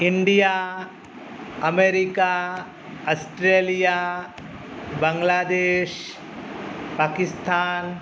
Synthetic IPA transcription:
ɪ̃ɳɖijaː | ɐmeːɾika | ɐsʈɾeːlija | bɐ̃ŋɡlaːd̪eːʃ | paːkɪst̪ʰaːn

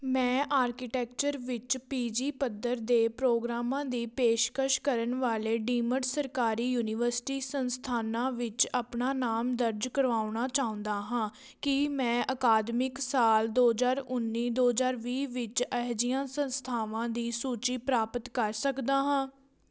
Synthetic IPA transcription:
mɛ̃ːʔaːɾkɪʈɛːkt͡ʃəɾʋɪt͡ʃpiːd͡ʒiːpəd̪əɾd̪eːpɾoːɡɾaːmãːd̪iːpeːʃkəʃkəɾənʋaːleːɖiːməɖsəɾkaːɾiːjuːnɪʋəɾsɪ̥ʈiːsənst̪ʰaːnãːʋɪt͡ʃapnaːnaːmd̪əɾd͡ʒkəɾʋaːʊɳaːt͡ʃaːʊ̃nd̪aːɦãː | kimɛ̃ːʔəkaːd̪mɪksaːld̪oːzaːɾʊnːiːd̪oːzaːɾʋiːʋɪt͡ʃəɦd͡ʒijãːsənst̪ʰaːʋãːd̪iːsuːt͡ʃiːpɾaːpət̪kəɾsəkd̪aːɦãː

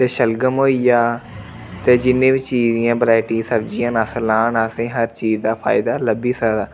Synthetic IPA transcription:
t̪eːʃəlɡəmɦoːijaː | t̪eːd͡ʒɪnːẽːbit͡ʃiːzijãːbəɾaːɪʈiːsəbd͡ʒijãːnəsəlãːnaːsẽːɦəɾt͡ʃiːzd̪aːpʰa̰ːɪd̪aːləbiːsəːd̪aː

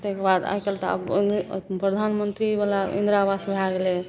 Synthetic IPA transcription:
t̪ekebad̪a̰jkelt̪ɔa̰b | pɾəd̪ʱanmənt̪ɾibalaḭ̃nd̪ɾabasbʱaɡele

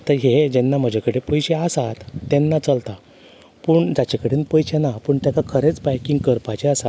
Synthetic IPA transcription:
t̪əɾɦed͡ʑɛnːam̤əd͡ʑʱakəɽepəjɕeəsat̪ːɛnːat͡səlt̪a | pəːɳd͡zat͡ɕekəɽeːnpəjɕenapəːɳt̪jakakʰəɾet͡sbajkĩŋɡkəɾpat͡ɕeəsat̪

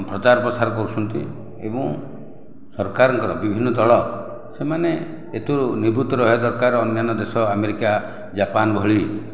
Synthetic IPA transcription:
pɾɔt͡ʃaɾɔpɾɔsaɾɔkɔɾut͡ʃʰɔnt̪ḭ | ḛbɔ̃ŋ | sɔɾkaɾɔŋkɔɾɔbibʱinːɔd̪ɔɭɔ | semane | et̪uɾuniɾbut̪ɔɾɔɦed̪ɔɾkaɾɔnjanɔd̪esɔameɾika | d͡ʒapanɔbʱɔɭi

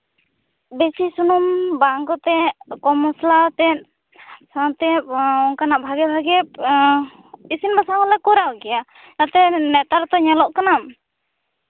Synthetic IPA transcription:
bɛsisunɔmbaŋkɔt̪ɛʔkɔmɔslat̪ɛt̚ | sat̪ɛpɔŋkanaʔbʱaɡɛbʱaɡɛp | isinbasaɔlɛkɔɾawɡɛja | nat̪ɛnɛt̪aɾɔt̪ɔɲalɔʔkanam

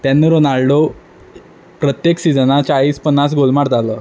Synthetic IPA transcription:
t̪janːiɾonalɖo | pɾət̪jeksid͡zənat͡ɕaɭiːspənːas̬ɡolmaɾt̪aləː

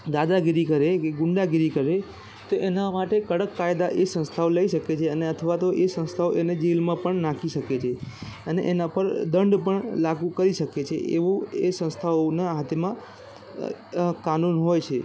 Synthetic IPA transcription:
d̪ad̪aɡiɾikəɾekeɡʊɳɖaɡiɾikəɾe | t̪oʔenamaʈekəɽəkːajd̪aʔesə̃ñst̪ʰaoləiʃəket͡ʃʰeəneət̪ʰəʋat̪oʔesə̃nst̪ʰaoʔened͡ʒelmãpəɳnakʰiʃəket͡ʃʰeənḛʔenapəɾd̪əɳɖpəɳlaɡũkəɾiʃəket͡ʃʰḛʔḛʋoesə̃ñst̪ʰaonaɦat̪ʰemã | kanunɦojt͡ʃʰe

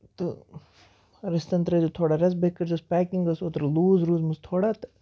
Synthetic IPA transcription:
t̪ɨ | ɾɪst̪ɐnt̪ɾɐd͡ʒot̪ʰoːɽaɾɐs̬bekːəɾd͡ʒospɛːkiŋɡɐsoːt̪ɾluːzɾuːzmust̪ʰoːɽaːt̪

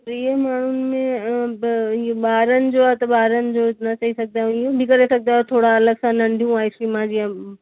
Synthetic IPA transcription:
pɐɾiemaːɳ̤ʊnɪmẽ | ɓaːɾənɪ̆d͡ʑoaːt̪ɐɓaːɾənɪ̆d͡ʑoːnɐt͡ɕɐisɐɡ̚d̪aːɦɪjũbʱikɐɾesɐkɡ̚d̪aːɦẽt̪ʰoːɽaɐləɡsãnɐ̃ɳɖʱijũaːisɾiːmãd͡ʑijã

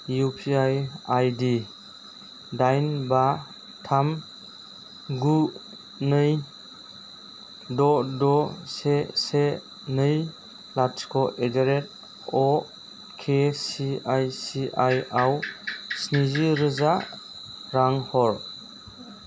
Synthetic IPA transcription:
jupʰiajajdi | dajnba | tʰam | ɡu | nɯj | dɔdɔsese | nɯj | laskʰɔʔedeɾet̚ | ɔ | kʰesiajsiʔajawsniziɾɯza | ɾaŋhɔɾ

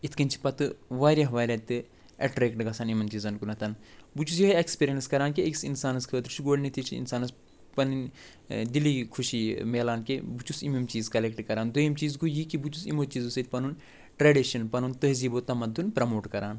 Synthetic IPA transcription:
it̪ʰkɐnt͡ʃʰi̥pɐt̪ɨʋaːɾʲjɐɦʋaːlʲɐt̪ɨ | ɐ̰ʈɾeːkʈɡɐsaːnimɐnt͡ʃizɐnkunɐt̪ʰɐnbut͡ʃus̬jiɦekspiːɾijɐnskɐɾaːnkeeksinsaːnɐskʰəːt̪ɾt͡ʃʰiɡoːɽnit̪ʰit͡ʃʰiḭnsaːnɐs | pɐnin | d̪iliːkʰuʃimeːlaːnkebut͡ʃusimimt͡ʃiːzkɐlek̚ʈkɐɾaːnd̪ujɐmt͡ʃiːzkujikibut͡ʃusḭmoːt͡ʃiːzusɐt̪ʰʲpɐnun | ʈɾeːɖiʃɐnpɐnunt̪ɐɦziːboːt̪ɐmɐd̪unpɾɐmoːʈkɐɾaːn

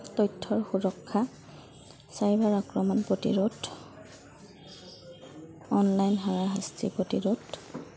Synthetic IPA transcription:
tɔjtʰːɔɹxuɹɔkʰːa | sajbaɹakɹɔmɔnpɹotḭɹut | ɔnlajnɦaɹaɦastḭpɹotiɹut

